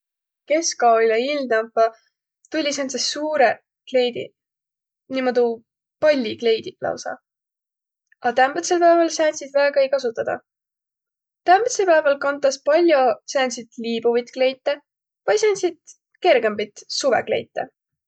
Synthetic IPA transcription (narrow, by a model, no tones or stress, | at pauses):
ke̞skɑileild̪ɑmpːɑ | t̪ulʲːisensesuːɾe | kle̞jd̪ḭ | nimod̪u | pɑlʲːikle̞jd̪̥iplɑ̰wsɑ̰ | ɑt̪æmb̥et̪selpæevɑlsæːnʲsid̪̥væeɡɑejkɑsut̪ːˑɑd̪̥ɑ̰ | t̪æmb̥et̪selpæevɑlkɑnt̪ːˑɑspɑlʲːjo̞sæːnʲsit̪liːb̥uvit̪kle̞jt̪ːe | pɑjsenʲsid̪̚ | ke̞rɡe̞mbit̪suvḛkle̞̰jt̪ːˑḛ